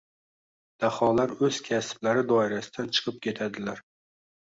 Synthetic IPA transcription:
d̪̥ahɒlaɾɵz̥kʲʰasblaɾɪd̪ɒɪɾasɪd̪ant͡ʃʰɨ̥qʰɨp̚kʲʰe̞t̪ʰad̪ɪlaɾ

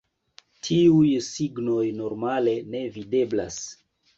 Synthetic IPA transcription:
tʰiujsiɡno̞jno̞ɾmale̞ne̞vide̞bla̰s

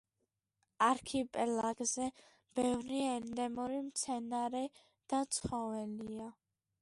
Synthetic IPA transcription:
aɾkʰipʼɛlaɡzɛ | b̥ɛvɾiɛɾnd̪ɛmɔɾimt̪sʰɛnaɾɛ | d̪̥at̪sʰχɔvɛlia

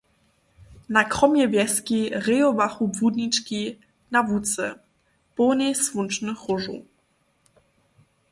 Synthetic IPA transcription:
nakɾɔmjɛvjɛskʲiʁɪjovaχubvud̪nit͡ʃki | navut͡sɛ̰ | ponɛsvunt͡ʃnɨχʊʐṵ

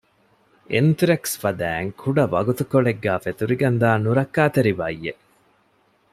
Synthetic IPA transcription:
ent̪uɾeksfɐd̪æːŋkʰuɖɐʋɐ̰ɡut̪ukoɭeɡːaːfet̪uɾiɡɐnd̪aːnuɾɐkːaːt̪eɾiʋa̰ijːe

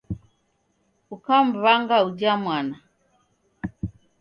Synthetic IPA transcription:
ukam̩βaŋɡaud͡ʒamwana

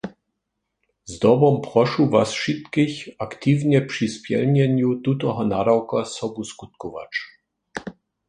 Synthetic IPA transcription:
zd̪ɔbɔmpɾɔʂuvasʂit̪kɪçakt̪ivɲɛpʂispʲjɛ̰lɲɛɲjut̪ut̪ɔɦɔnad̪awkasɔbuskut̪kɔva̰t͡ʂ

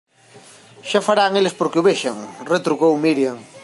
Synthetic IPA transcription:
ʃafaɾaŋelespoɾkeuβeʃaŋret̪ɾuɣowmiɾjaŋ

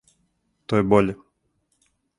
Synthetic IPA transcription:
t̪ɔjɛbɔlʲɛ

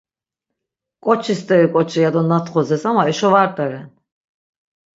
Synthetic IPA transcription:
kʼɔt͡ʃʰist̪ʼɛɾikʼɔt͡ʃʰijad̪ɔnat̪ʰχɔzɛsamaɛʃɔvaɾt̪ʼaɾɛn

